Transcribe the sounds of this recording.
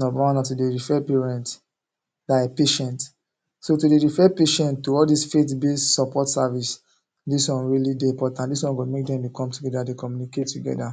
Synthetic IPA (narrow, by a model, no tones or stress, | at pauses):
nɔbaãnatudeɹifɛpeɹɛ̃nt | dapeʃɛ̃nt | sotudeɹifɛpeʃɛ̃ntːuɔldisfetbestsɔpɔtsavis | diswɔ̃nɹilideĩmpɔtãndiswɔ̃nɡomek̚dɛ̃mdekɔ̃mtuɡɛdadekɔmjuniketːuɡɛ̰da